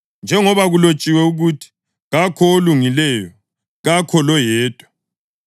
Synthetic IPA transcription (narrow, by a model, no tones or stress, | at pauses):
nd͡ʒʱɛŋɔβaɣulot͡ʃʼiwɛuɣutʰi̥ | ɣakʰɔoluŋilɛjɔ | ɣakʰɔlɔjɛːtʼwa